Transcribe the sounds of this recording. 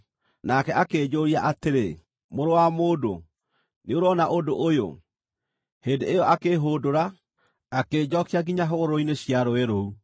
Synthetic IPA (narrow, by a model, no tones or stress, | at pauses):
nakɛʔakeːd͡ʑoɾiaʔateɾe | moɾowamoːdo̰ | neoɾɔnaʔodoʔojo̰ | heːndeejɔʔakeːɦoːdoɾa | akeːd͡ʑɔkiaɡiɲaɦoɾoineɕjaɾoeɾou